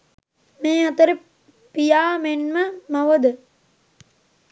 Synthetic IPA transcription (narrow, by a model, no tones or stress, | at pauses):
meːɐt̪əɾi | pijaːmenməmɐʋəd̪ə